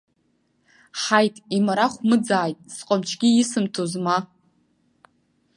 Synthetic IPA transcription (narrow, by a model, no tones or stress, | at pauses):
ħajtʼimaɾaχʷmɨd͡zaːjtʼsqʼamt͡ʃʰɡʲiɪsɨmtʰozma